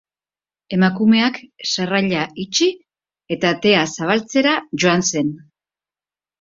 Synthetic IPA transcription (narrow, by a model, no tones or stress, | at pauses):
e̞makume̞aksaraʎait͡ʃi | e̞t̪at̪e̞asaβ̞alt͡se̞ɾaʝo̞anse̞n